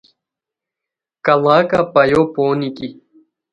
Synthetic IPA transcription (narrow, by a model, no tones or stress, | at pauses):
kɐlaːkapɐjoːpoːniki